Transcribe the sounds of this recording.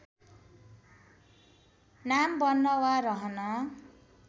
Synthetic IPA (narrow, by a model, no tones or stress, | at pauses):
nambʌnːʌwaɾʌɦʌnʌ